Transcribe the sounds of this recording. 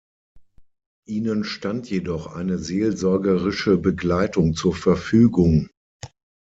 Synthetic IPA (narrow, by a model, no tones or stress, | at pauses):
ʔiːnənʃtantʰjedɔχʔa̰ɪnəzeːlzɔɐɡəʁɪʃəbəɡlaɪtʊŋt͡suːɐfɛɐfyːɡʊŋ